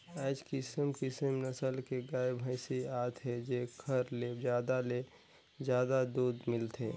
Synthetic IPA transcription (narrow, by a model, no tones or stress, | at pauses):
ɛːd͡ʒkɪsəmkɪsəmnəsəlkeɡaːebʱəɪsiaːt̪ɦed͡ʒekʰəɾled͡ʒjaːd̪ale | d͡ʒjaːd̪ad̪uːd̪mɪlt̪ʰeː